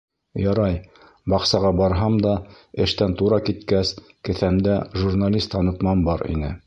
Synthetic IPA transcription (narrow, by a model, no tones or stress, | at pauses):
jɑɾɑj | bɑqsɑʁɑbɑɾɦɑmd̪ɑ | ɘ̆ʃt̪ænt̪uɾɑkit̪kæs | kɘ̆θæmd̪æʒurnalʲist̪ɑnɤ̆t̪mɑmbɑɾḭnɘ